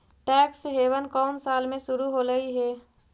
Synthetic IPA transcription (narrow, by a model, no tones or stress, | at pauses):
ʈɛːksɦeːʋənkɔːnsaːlmẽʃʊɾuɦoɾəɦiɦɛː